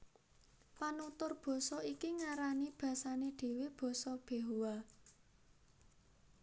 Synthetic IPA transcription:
panut̪ʊrb̥ɔ̤sɔikiŋaɾanib̥ä̤saneɖ̪̥e̤web̥ɔ̤sɔb̥e̤ɦuwa

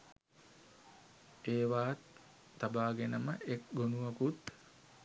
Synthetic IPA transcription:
eːʋaːt̪ː | abaːɡenəməʔekɡonuʋɐkut̪

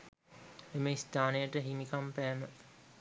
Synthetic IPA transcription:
eməist̪aːnəjəʈəɦimikampæːmə

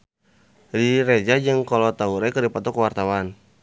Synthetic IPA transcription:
riɾɛd͡ʒad͡ʒɨŋkalɔt̪auɾɛkərdipat̪ɔkəwart̪awan

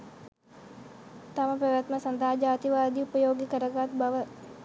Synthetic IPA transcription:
t̪ɐmɐpɾɐʋjat̪məsɐnd̪ʱaːd͡ʒaːt̪iʋaːd̪iupəjoːɡikəɾəɡat̪bɐʋə

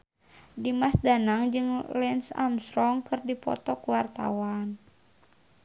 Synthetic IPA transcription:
dimasdanaŋd͡ʒɨŋlɛnsa̰msɾɔŋkɨrdipɔ̰t̪ɔkuwart̪a̰wan

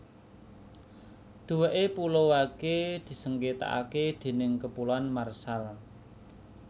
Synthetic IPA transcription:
d̪̥uweʔepulowaked̪̥i̤səŋket̪a̰ʔa̰ked̪̥e̤nɪŋkəpulanmarsal

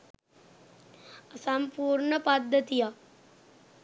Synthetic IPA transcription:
əsampuːɾɳəpad̪ʱːət̪ija

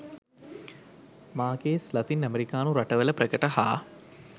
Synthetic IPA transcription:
maːkeːslɐt̪inæmeɾikaːnuɾaʈəʋələprəkəʈəhaː

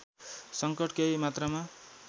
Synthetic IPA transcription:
sʌŋkʌʈkejmat̪rʌma

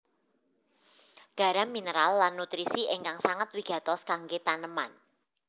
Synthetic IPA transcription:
ɡ̥a̤ɾaminəɾalːanːut̪ɾisiʔeŋkaŋsaŋat̪wiɡ̥ä̤t̪ɔskaŋɡet̪anəma̰n

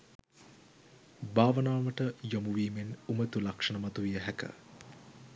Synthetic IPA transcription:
baːʋənaːʋəʈəjomuʋiːmenumət̪ulakʂɐnəmat̪uʋijəɦækə̰

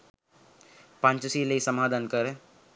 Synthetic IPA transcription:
pãɲt͡ʃsiːleisəmaːd̪ʱaːnkəɾe

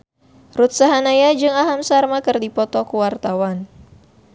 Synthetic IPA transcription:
rut̪̚saɦanajad͡ʒɨŋaɦamsarmakərdipɔt̪ɔkuwart̪awan

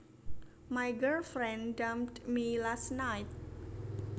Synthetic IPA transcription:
majɡəlfɾɛ̃nɖamdmilasnajt̪̚

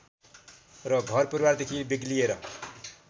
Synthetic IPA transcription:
rʌɡʱʌrpʌɾiward̪ekʰibiɡlijeɾʌ̰

